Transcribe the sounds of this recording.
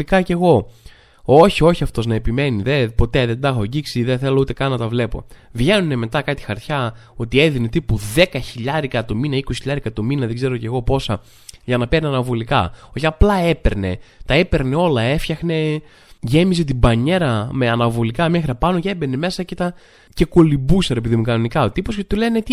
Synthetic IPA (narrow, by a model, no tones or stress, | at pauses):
ikɐce̞ɣo̞ | o̞çio̞çiɐft̪o̞znɐe̞pime̞niðepo̞t̪e̞ðed̪ɐxo̞ɟiksiðeθe̞lout̪ekɐnnɐt̪ɐvle̞po̞̰vʝe̞nune̞me̞t̪ɐkɐt̪i̥xɐɾt̪çɐo̞t̪ie̞ðine̞t̪ipuðe̞kɐçiʎɐɾikɐt̪ominɐikosiçiʎɐɾiekɐt̪ominɐðeɡze̞ɾo̞ce̞ɣo̞po̞sɐ | ʝɐnɐpeɾneɐnɐvo̞likɐ̰oçɐplɐe̞pe̞̰ɾne̞̰t̪ɐe̞pe̞ɾne̞o̞lɐe̞fçɐxne̞ | ʝe̞mize̞t̪̬ibɐɲe̞ɾɐmeɐnɐvo̞likɐmɐxɾɐpɐnocebeneme̞sɐcet̪ɐ | ce̞ko̞libusɐɾe̞peðimukɐno̞nikɐot̪ipo̞sce̞t̪ule̞net̪i